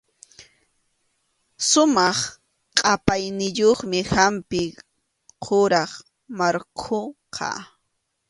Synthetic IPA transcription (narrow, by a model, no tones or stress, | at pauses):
sʊmɑχ | qʼɑpajnɪʎoχmɪhampɪ | qʰoɾɑχ | maɾkʰoqʰɑ̰